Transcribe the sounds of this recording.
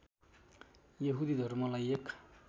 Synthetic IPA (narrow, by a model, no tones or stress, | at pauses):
jʌɦud̪id̪ʱʌɾmʌlajek